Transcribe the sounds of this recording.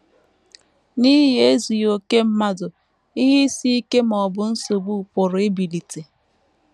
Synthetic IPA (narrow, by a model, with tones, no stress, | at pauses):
ni˦ɦe˦zu˨jo˨ke˦m̩˦ma˦dʊ˨ | i˦ɦi˦si˦i˦ke˦m˨ɔ˨bʊ˨n̩˦so˨bu˦˨pʊ˨ɾʊ˨ɪ˦bi˨li˨te˨